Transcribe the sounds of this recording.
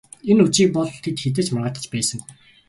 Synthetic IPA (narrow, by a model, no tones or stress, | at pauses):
enut͡ɕiːk̚pɔɮt̪ʰet̪xet̪̬eːt͡ɕmarʁə̆ːt̪ə̆t͡ɕpæːsə̆ŋ